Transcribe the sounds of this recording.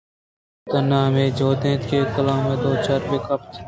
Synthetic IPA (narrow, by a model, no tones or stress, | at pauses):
t̪ɐnːaːmeːd͡ʒoːd̪ẽːt̪keːkɐlãːmẽːd̪oːt͡ʃaːɾbekɐpt̪ʰ